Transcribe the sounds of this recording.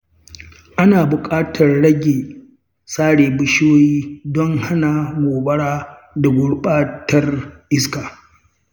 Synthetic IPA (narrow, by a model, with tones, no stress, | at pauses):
ʔa˦naː˨bʊ˨kʼaː˦tʰɐ˨rɽɐ˦ɡʲeː˨ | saː˦ɽeː˨bʊ˦ʃoː˦jiː˦dɔ˦ŋha˦na˨moː˨bɐ˦ɽaː˦ | da˨ɡʷʊ˦ɽɓaː˦tɐ˦rʔɪ˦skaː˨